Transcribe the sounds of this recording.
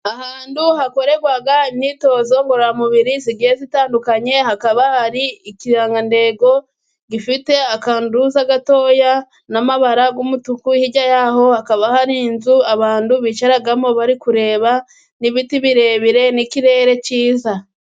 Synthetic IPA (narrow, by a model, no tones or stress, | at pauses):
ahaːnduhako̞ɾe̞ɡwaɡaimɲiːto̞ːzo̞ŋɡoɾoɾamuβiɾiziɡihezitaːndukaɲe̞hakaβahaɾiikiɾaːŋɡande̞ɡo̞ | ɡifite̞akaːnduzaɡato̞ːja | namaβaɾaɡuːmutukuhiɟajaho̞hakaβahaɾiːnzuaβaːnduβit͡ʃaɾaɡamo̞βaɾikuɾe̞ːβa | niβitiβiɾe̞βiɾe̞nikiɾe̞ːɾe̞ciːza